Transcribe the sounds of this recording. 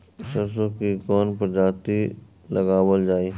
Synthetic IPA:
ʃəs̬õkikɔːnpəɾd͡ʒaːt̪i | lɐɡaːwəld͡ʒaːiː

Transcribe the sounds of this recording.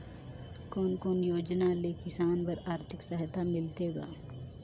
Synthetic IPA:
kɔːnkoːnjoːd͡ʒnalekɪsaːnpəɾaːɾt̪ʰɪksəɦt̪ʰamɪlt̪eːɡa̰ː

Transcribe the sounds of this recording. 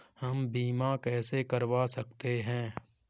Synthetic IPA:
hɐmbiːmakɛːsekɐɾʋasɐkt̪eɦɛ̃ː

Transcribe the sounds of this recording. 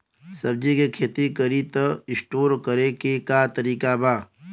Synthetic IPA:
sɐb̚d͡ʒikekʰeːt̪ikəɾit̪əɪsʈoːɾkəɾekekat̪əɾiːkabaː

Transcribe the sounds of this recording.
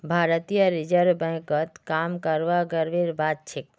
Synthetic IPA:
bʱaɾət̪ijəɾɪd͡ʒəɾbə̃kət̪kamkəɾʋaɡəɾʋeɾbad̪̚t͡ʃʰek̚

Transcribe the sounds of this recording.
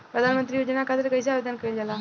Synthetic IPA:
pɾəd̪ʱanmənt̪ɾiːjod͡ʑnakʰat̪əɾkəjs̬aaʋed̪ənkəild͡zala

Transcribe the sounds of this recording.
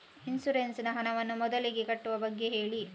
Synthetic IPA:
insuɾensinɐɦɐnɐʋɐnːumɔd̪ɐliɡe̞kɐʈːuʋɐbɐɡːe̞ɦe̞ːɭi

